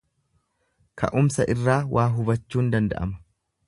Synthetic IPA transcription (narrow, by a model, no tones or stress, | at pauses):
kɐ̰ʔʊmsɐʔɪrːaːwʔaːɦʊbɐt͡ʃːuːnd̪ɐnd̪ɐ̰ʔɐ̰mɐ̥